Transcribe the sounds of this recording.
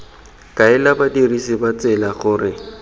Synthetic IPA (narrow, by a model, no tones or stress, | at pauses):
kʼaɪlabadirisibat͡sɛlaχʊːrɪ